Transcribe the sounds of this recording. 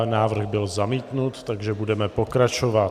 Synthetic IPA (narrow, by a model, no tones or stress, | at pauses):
naːvr̩ɣbɪlzamiːt̪nut̪ːaɡʒɛbudɛmɛpo̞kɾat͡ʃovat̪